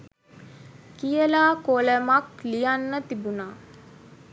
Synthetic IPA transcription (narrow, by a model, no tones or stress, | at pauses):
kijəlaːkoləmaklijanːət̪ibunaː